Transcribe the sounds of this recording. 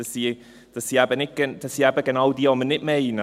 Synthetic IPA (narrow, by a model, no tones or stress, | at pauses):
əsi | d̥əsiabənɪɡ̥ənd̥əsiabəɡənawdiɔmənɪʔmejna